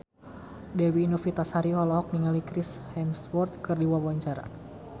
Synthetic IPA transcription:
dɛwiːnɔfit̪ashaɾiɦɔlɔɦɔk̚niŋalikɾishɛmsfɔrt̪̚kɨrdiwawaɲt͡ʃaɾa̰

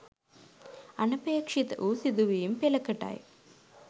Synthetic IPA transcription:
ɐnɐpeːkʂit̪ɐ̰ʔuːsid̪uʋiːumpɛlɐkɐʈa̰ːjḭ

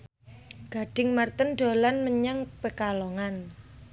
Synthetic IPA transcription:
ɡ̥a̤ɖ̥ɪŋmart̪ənɖo̤lanməɲaŋpəkalɔŋan

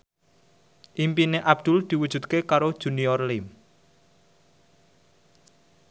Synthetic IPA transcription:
ʔimpineʔab̚d̪̥ʊ̤ld̪̥i̤wud̥ʒ̥ṳt̪̚kekaɾod̥ʒ̥ṳniɔrlɪm

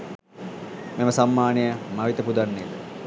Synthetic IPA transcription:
meməsamːaːnejəmɐʋit̪əpud̪anːeːd̪ə

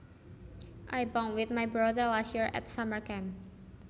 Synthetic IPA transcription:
ʔajbɔ̃ŋwɪt̪̚majbɹɔdəɹlastjiɹɛ̰t̪saməɹkɛ̃m

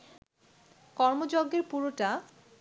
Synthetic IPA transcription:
kɔɾmod͡ʑoɡːeɾpuɾoʈa

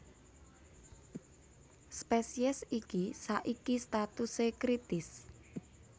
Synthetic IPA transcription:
spɛsiɛsikisaʔikist̪at̪usekɾit̪ɪs

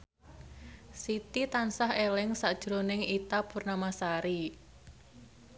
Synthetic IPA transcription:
sit̪it̪ansaɦelɪŋsaʔd̥ʒ̥ɾonɪŋit̪apurnamasaɾi

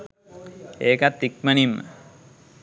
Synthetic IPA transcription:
eːkat̪ːik̚mənimːə̰

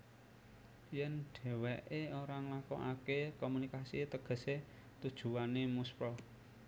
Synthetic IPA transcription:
jɛnɖ̥ɛ̤wɛʔeoɾaŋlakɔ̰ŋa̰kekɔmunikasit̪əɡ̥ə̤se | t̪ud̥ʒ̥ṳwanemuspɾɔ

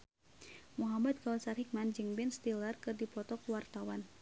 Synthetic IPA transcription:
muɦamat̪̚kawsarɦik̚mand͡ʒɨŋbɛnst̪ilərkɨrdipɔt̪ɔkuwart̪awan

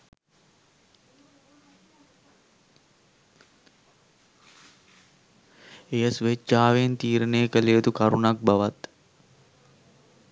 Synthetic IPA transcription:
ejəsʋet͡ʃaːʋent̪iːɾəneːkəleət̪ukaɾunak̚baʋat̪

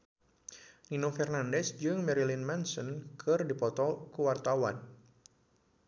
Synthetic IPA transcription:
ninofɛrnandɛsd͡ʒɨŋmɛɾilinmɛnsɔnkʰɨrdipɔt̪ɔkuwart̪awan

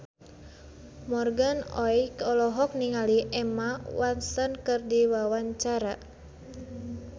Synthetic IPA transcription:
mɔrɡanɔ̰jkɔlɔɦɔk̚niŋaliʔɛmawansankɨrdiwawaɲt͡ʃaɾa

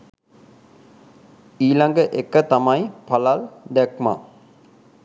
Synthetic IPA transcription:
iːlaŋɡəʔekːət̪amajpalald̪ɛkma̰

